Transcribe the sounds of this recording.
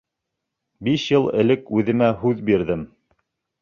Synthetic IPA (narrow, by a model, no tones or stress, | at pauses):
biʃjɤlˠɘ̆lɘkʉðɘ̆mæɦʉðbiɾðɘm